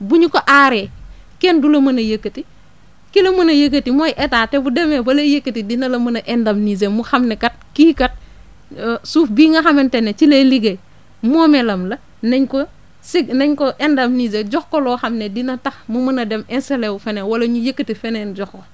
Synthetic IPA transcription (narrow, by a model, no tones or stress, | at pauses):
buɲukoʔaɾekendulɐmɐnɐjɐkːəti | kilɐmɐnɐjɐk̬ːɐtimojʔetaːtebudemewɐlejekːɐtidinɐlɐmɐnɐʔendɐmnizemuxamnekɐt̚kiːkɐt̚ | suːfbiːŋɐxɐmentenːet͡ʃileliɡe | mɔːmelɐmlɐ | neɲko | sineɲkoʔendɐmnizeɟɔxkolɔːxɐmnedinɐtɐxmumɐnɐdemɛnselewufenewɐlɐɲujekːətifenenɟɔxo